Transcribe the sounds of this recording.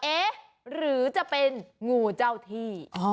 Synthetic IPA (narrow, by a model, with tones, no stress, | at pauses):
ʔeː˦˥ | ɾɯː˩˦t͡ɕa˨˩pe˧nŋuː˨˩t͡ɕa˧wt̪ʰiː˧˩ʔɔ˧˦